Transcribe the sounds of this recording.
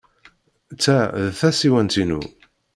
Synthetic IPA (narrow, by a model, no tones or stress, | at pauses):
t͡sːæðθæsiwænt̪inṵ